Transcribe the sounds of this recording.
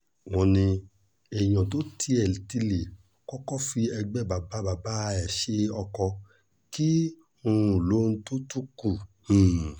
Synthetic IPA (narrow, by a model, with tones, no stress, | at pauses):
wɔ̃˧nĩ˧ | ɛ˨j̃ɔ̃˨t̬o˨˦tʰi˧ɛ˨lti˧le˨ | kɔ˦kɔ˦fi˧ɛ˧ɡ͡bɛ˦˨ba˨ba˦ba˨ba˦˧ɛ˨ʃe˦ɔ˧kɔ˧ | ki˦ | ũ˧u˨lo˦ñ̩˦to˦tu˦kũ˦˨